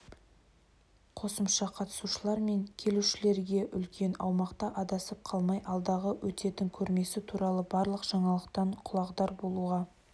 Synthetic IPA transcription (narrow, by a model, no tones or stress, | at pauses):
qʰo̞səmʃɑqʰɑt̪ə̥suʃəlˠɑɾme̞ŋkʲʰe̞luʃɪle̞ɾɡʲe̞ʔʏlkʲʰe̞nɑ̰wmɑqt̪ɑʔɑd̪ɑsəp̚qʰɑlˠmɑjʔɑlˠd̪ɑʁəwʔɵt̪e̞t̪ɪŋkʲʰɵɾme̞sɪt̪ʰuɾɑlˠəbɑɾlˠəqʒ̥ɑɴɑlˠəqt̪ɑɴqʰʊlˠɑqd̪ɑɾbo̞lˠuʁɑ